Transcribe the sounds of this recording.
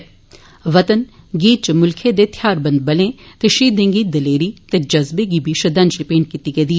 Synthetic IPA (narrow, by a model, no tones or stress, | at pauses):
ʋət̪ən | ɡiːt̪̚t͡ʃmʊlkʰed̪eːt̪ʰjaːɾbə̃nd̪̚bɐlẽːt̪eːʃiːd̪ẽŋɡiːd̪əleːɾiːt̪eːd͡ʒɐzbeːɡiːbʱiːʃəd̪ə̃nd͡ʒɾɪpeːɳʈ̚kiːt̪iːɡeːd̪i